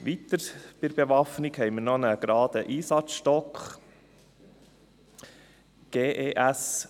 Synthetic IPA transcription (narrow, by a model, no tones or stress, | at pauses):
ʋit̪əɾb̥ɪɾbeʋɑfnikhɛɪməɾnonəɡ̥ɾɑːd̪əʔiːsɑt͡sʃtɔkχ | ɡ̥eːʔeːʔæs